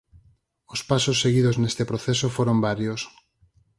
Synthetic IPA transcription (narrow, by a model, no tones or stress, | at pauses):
ospasosːeɣiðoznest̪epɾoθesofoɾombaɾjos